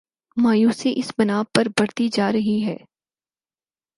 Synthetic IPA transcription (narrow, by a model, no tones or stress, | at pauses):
maːjuːsiʔɪsbɐnaːpɐɾbɐɽt̪id͡ʒaːɾɐɦiɦɛ̰ː